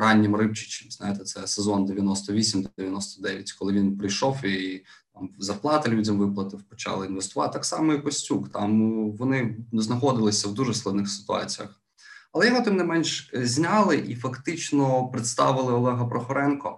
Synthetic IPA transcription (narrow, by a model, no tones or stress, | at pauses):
ɾɑnʲːimrɪp̚t͡ʃɪ̥t͡ʃɪmznɑjet̪ɛt̪sɛsezɔnd̪eʋʲjɐnɔst̪ɔʋʲisʲimd̪ɔeʋjɐnɔst̪ɔd̪ɛʋʲjɐtʲkɔlˠɪʋʲinpɾɪjʃɔwi | t̪ɑmzɐrplˠɑt̪ɐlʲudʲɐmʋɪplˠɐt̪ɪwpɔt͡ʃɑ̰lˠɪinʋest̪ʊʋɑt̪ɑksɑmɔipɔsʲtʲukt̪ɑmʋɔnɪznɐxɔd̪ɪlˠɪsʲɐwd̪uʒɛsklˠɐd̪nɪxsɪ̥t̪ʊɑ̰t͡sʲijɐ̰x | ɐlˠɛjɔɦɔt̪ɪmnɛmɛnʃzʲnʲɑlˠɪʔifɐkt̪ɪt͡ʃnɔpɾɪt̪st̪ɑʋɪlˠɪɔlˠɛɦɐpɾɔxɔɾɛnkɔ